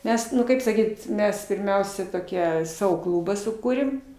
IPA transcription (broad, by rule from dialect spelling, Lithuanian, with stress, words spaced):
ˈmʲɛs nʊ ˈkɐɪp sɐˈkʲiːt ˈmʲɛs pʲɪrʲˈmʲɛʊsʲɛ toːˈkʲiɛ ˈsɑːʋoː ˈklˠʊbɐ sʊˈkuːrʲeːm